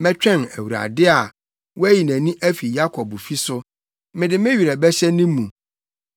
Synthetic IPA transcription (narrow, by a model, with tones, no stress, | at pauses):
mɛ̃˦t͡ɕᶣɛ̃˦˨næ˨wu˨ɾa̰˨dɪ˦a˨ | wɔ˦æ˦ji˨næ̃˨nĩ˦ʔæ˦fi˨ja˦kʰɔ˨bfi˦sʊ˦ | mɪ̃˨dɪ˨mɪ̃˦ɥi˨ɾɛ˨bɛ˦ɕɛ˦nĩ˦mũ˨